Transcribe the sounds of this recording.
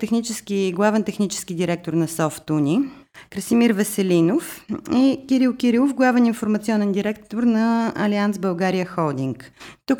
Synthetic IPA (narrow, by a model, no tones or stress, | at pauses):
t̪ɛxnit͡ʃɛskʲiɡlˠavɛnt̪ɛxnit͡ʃɛ̥skʲid̪iɾɛk̚t̪oɾnɐsɔft̪unʲikɾəsimiɾvɛsɛlʲinofikʲiɾilˠkʲiɾilˠofɡlˠavɛninfoɾmɐt̪siɔnɛnd̪iɾɛk̚t̪oɾnɐɐliansbəlˠɡaɾijəxɔlˠd̪iŋkt̪uk